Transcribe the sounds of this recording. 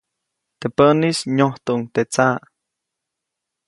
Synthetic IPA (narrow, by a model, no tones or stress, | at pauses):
t̪epənisɲoht̪uʔŋt̪et͡sa